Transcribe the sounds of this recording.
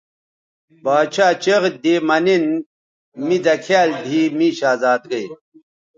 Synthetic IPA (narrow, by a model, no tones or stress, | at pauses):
baːt͡ɕʰaːt͡ɕeʁd̪eːmɐnen | mid̪ɐkʰaːld̪ʱiːmiɕaːzaːt̪̚ɡɐj